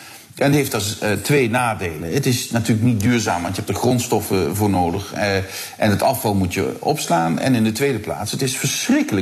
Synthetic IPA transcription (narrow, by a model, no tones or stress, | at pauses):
ɛnɦeftɑstʋejnaːdejlə̰ətɪsnatyːləknit̚dyːɹzaːmʋɑntjɛp̚dəχrɔntstɔfəvʊːɹnoːdəχʔɛnətɑfɑlˠmutjə̰ʔɔ̰pslaːnɛ̰nɪndətʋejdəpla̰ːtsətɪsfəɹsrɪkələ